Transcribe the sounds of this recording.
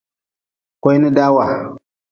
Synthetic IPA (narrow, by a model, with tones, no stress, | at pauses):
kʷo˦jni˦da˦wa˨